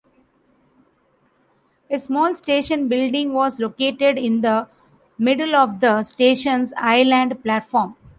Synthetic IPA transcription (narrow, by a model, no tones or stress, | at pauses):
esmɔːlsʈeːʃə̃nbɪlɖɪ̃ŋɡʋɔːzloːkeːʈeɖɪ̃nd̪ə | mɪɖəlɔːʋd̪əsʈeːʃə̃nzaɪlæ̃ɳɖplæːʈfɔːɾm